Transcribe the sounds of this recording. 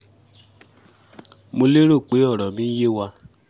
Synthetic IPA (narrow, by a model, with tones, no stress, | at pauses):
mo˧le˦ɾo˦˨k͡pe˨˦ɔ˦˨ɾɔ˨mĩ˦je˦wa˧